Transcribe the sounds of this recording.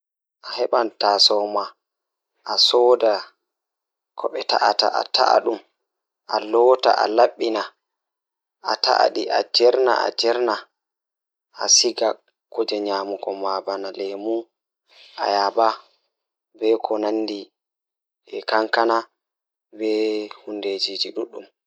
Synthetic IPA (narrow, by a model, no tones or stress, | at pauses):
ʔahɛɓantasɔwma | ʔːsɔda | kʰɔɓɛta̰ʔata̰ʔa̰tʰa̰a̰ɗum | ʔalɔta̰ʔa̰laɓːina | ʔatʰa̰ʔa̰ɗiʔad͡ʒɛɾna̰ʔa̰d͡ʒɛɾna | asiɡa | kɔd͡ʒɛɲaːmukɔmabanalɛmu | ʔa̰jaba | bɛkʰɔnanːdi | ɛkaŋkana | bɛhunded͡ʒid͡ʒiɗuɗːum